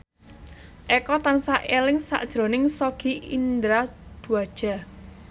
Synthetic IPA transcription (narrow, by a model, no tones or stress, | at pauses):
ʔɛkɔt̪ansaʔelɪŋsa̰ʔd̥ʒ̥ɾo̤nɪŋsɔɡ̥iʔḭnd̪ɾad̪̥uad̥ʒ̥a̤